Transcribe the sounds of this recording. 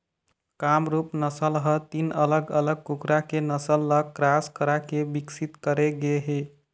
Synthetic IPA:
kamɾupnəsəlɦət̪inələɡələɡ̚kukɾakenəsəlːəkɾaskəɾakebiksit̪kəɾeɡeɦe

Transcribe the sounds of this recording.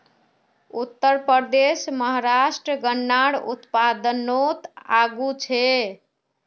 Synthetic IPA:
ut̪ːəɾpəɾd̪esməɦɾasʈɾəɡənːaɽṵt̪pad̪ənot̪aɡut͡ʃʰe

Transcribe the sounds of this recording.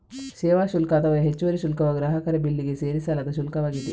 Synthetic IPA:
seːʋaːʃulkɐːt̪ɐʋɐjɐɦet͡ʃːuʋɐɾiʃulkɐʋɐɡɾɐɦɐkɐɾɐbilːiɡeseːɾisaːlɐd̪ɐʃ̬ulkɐʋaːɡid̪i

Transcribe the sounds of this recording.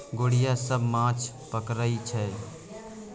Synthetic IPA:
ɡoːɽijasəbʱmãt͡ʃʰ | pəkɾəit͡ʃʰɛ

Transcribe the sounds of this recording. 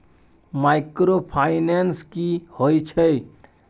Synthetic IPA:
maɪkɾopʰaɪnenskihoit͡ʃʰɛ

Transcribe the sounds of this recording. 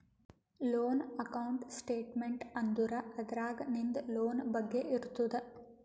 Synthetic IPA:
loːnɐkɐwɳʈsʈeːʈmeɳʈɐnd̪uɾɐɐd̪ɐɾaːɡɐnind̪loːnbɐɡːe̞ʔiɾut̪ːud̪e

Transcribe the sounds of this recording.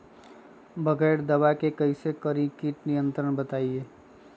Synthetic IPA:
bʱɐɡɛːɽd̪ɐʋakekɐisekəɾĩkiʈnɪjə̃nt̪ɾəɽ̃bɐt̪aːieː

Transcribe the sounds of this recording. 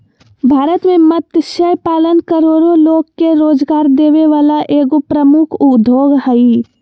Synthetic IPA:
bʱaːɾət̪mẽmət̪ʃəjpaːlənkɐɾoːɾoloːɡkːeɾoːd͡ʒɡaːɾd̪eːʋeʋaːlaʔeːɡopɾəmʊkʰud̪ʱoːɡhɐi

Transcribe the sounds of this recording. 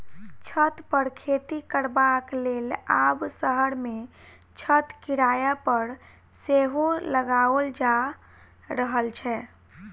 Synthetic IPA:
t͡ʃʰət̪pəɾkʰet̪ikəɾbaklelabsəɦəɾme | t͡ʃʰət̪kiɾajapəɾ | seɦoləɡaəld͡ʒa | ɾəɦəlt͡ʃʰɛ

